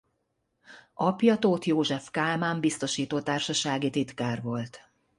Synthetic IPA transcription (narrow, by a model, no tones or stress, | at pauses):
ɒpjɒt̪oːt̪joːʒɛfkaːlmaːmbist̪o̞ʃiːt̪oːt̪aːrʃɒʃaːɡit̪it̪kaːrʋo̞lt̪